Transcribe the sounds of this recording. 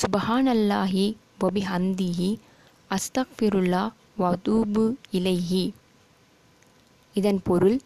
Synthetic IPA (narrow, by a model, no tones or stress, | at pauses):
sʊbhaːnɐlːaːɦi | wɐbɪɦɐnd̪iɦi | ʔɐst̪ɐɣfɪɾʊlːaː | ʋɐt̪uːbɪlɐɪɦi | ɪðɐnpɔɾɯl